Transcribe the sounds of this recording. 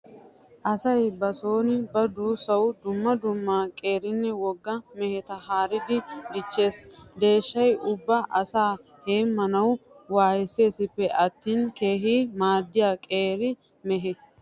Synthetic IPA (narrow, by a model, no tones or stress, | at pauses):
ʔɐsɐjbɐsoːnɪbɐd̪uːsɐwd̪ʊmːɐd̪ʊmːaːkʼe̞ːɾɪnːɛwɔɡːɐmɛhɛt̪ɐhaːɾɪd̪ɪd̪ɪt͡ʃːe̞ːsd̪e̞ːʃːɐjʊbːɐʔɐsaː | heːmːɐnɐw | waːjɛse̞ːsɪpːɛʔɐt̪ːiːnke̞ːɦiːmaːd̪ːɪjaːkʼeːɾɪ | mɛɦɛ